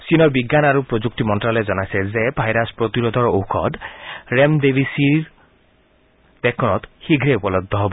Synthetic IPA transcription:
sinɔɹbiɡːanaɾupɾod͡ʒuk̚timɔntɾalezɔnajsɛzebʱajɾaspɾot̪iɾɔd̪ʱɔɹowkʰɔ̰dɾemdebʱisiɾ | bekʰɔnɔt̪xiɡʱɾeupɔlɔd̪ʱːɔɦɔbɔ

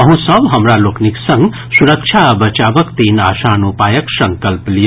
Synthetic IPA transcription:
ʌɦũsʌbɦɐmɾalokniksʌŋɡ | suɾəkt͡ʃʰabət͡ʃabəkt̪inasanupajəksʌŋkəlplij

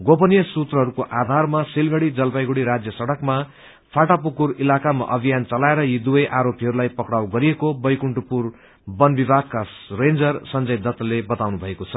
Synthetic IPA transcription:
ɡopʌnijʌsut̪rʌɦʌɾukoʔad̪ʱarmasilɡʌɽid͡zʌlpajɡuɽiɾad͡zjʌsʌɽʌkma | pʰaʈapukurilakama̰ʔʌbʱijant͡sʌlaeɾʌjid̪ubʌjʔaɾopiɦʌɾulajpʌkɽawɡʌɾijekobʌjkuɳʈupur | bʌnbibʱaɡ̚karend͡zʌrsʌnd͡zʌjd̪ʌt̪ːlebʌt̪awnubʱʌekot͡sʰʌ

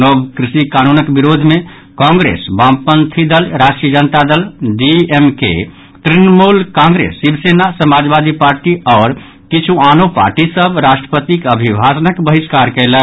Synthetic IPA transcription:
nobkɾisikanunəkbiɾod̪ʱmẽ | kɔ̃ŋɡɾḛsbãmpənt̪ʰid̪əlɾaʃʈɾiəd͡ʒənt̪ad̪əlɖiemkḛ | t̪ɾinmulkãŋɡɾḛsːibsenasəmad͡ʒbad̪ipaɾʈiɔːɾ | kit͡ʃʰuanopa̰ɾʈisəbɾasʈɾə̥pət̪ikəbʱibʱasənəkbəɦiskaɾkɛɪlɛ

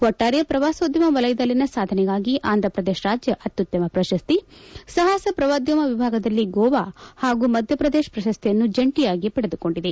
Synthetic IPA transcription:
ʋɔʈːaːɾjɐpɾɐʋaːsod̪jɐmɐʋɐlɐjd̪ɐlːinɐsaːd̪ʱɐnɛɡaːɡiʔaːnd̪ɐpɾɐd̪eːʃɾaːd͡ʒjɐʔɐt̪ːut̪jɐmɐpɾɐʃɐst̪isɐɦaːsɐpɾɐʋaːd̪jɐmɐʋibʱaːɡɐd̪ɐlːiɡɔːʋaːhaːɡumɐd̪ʱjɐpɾɐd̪eːʃpɾɐʃɐst̪ijɐnːud͡ʒɐɳʈijaːɡipɐɽed̪uko̞ɳɖid̪e

